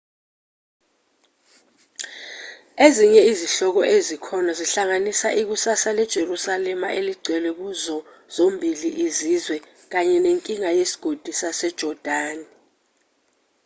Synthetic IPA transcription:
eziɲɛiziɬɔk̬ɔʔezikʰɔnaziɬaŋanisaʔik̬usasalɛd̥ʒ̥ʱerusalɛmaʔeliɡ͡ǀʱwɛlwɛk̬uzɔ | z̥ombʱiliʔizizwɛ | k̬aɲɛneŋkʼiŋajesi̥ɡ̥ʱod̥ʱisasɛd̥ʒ̥ʱɔd̥ʱaːni

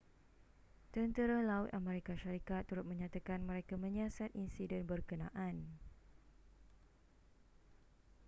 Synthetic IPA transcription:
t̪ənt̪əɾalaʊt̪ʔamẽɾikaʃaɾikat̪ːuɾʊt̪̚mə̃ɲãt̪akanmə̃ɾekamə̃ɲiasat̪̚insidɛnbərkənãʔan

